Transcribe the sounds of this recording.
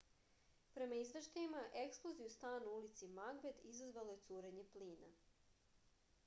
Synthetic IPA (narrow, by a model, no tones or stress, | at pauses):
pɾe̞maizʋʃt̪ajimaʔe̞ksplˠo̞zijust̪aːnuulit̪simaɡbed̪izazʋaloje̞t̪suːɾe̞ɲe̞pliːna